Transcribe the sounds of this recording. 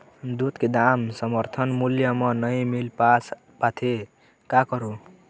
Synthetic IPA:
d̪ut̪ked̪amsʌmʌɾt̪ʰʌnmuljʌmʌnʌjmilpat͡s | pat̪ʰe | kakʌɾo

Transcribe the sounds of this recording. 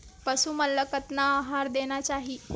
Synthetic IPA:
pəsuːməlːəkət̪naːɦaɾd̪eñat͡ɕaɦiː

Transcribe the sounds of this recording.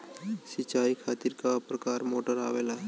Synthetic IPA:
sɪt͡ʃaːikʰaːt̪iɾkapɾəkaːɾmoːʈəɾa̰ːʋeːlaː

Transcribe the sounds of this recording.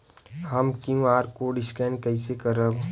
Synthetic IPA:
həmkjũaːɾkoɖɪskɾɛ̃ːnkɐisekəɾəb

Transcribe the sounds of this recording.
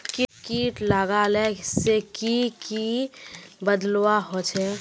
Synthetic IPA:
kikiːʈlaɡalɛsekiki | bəd̪lwaɦot͡ʃʰɛ

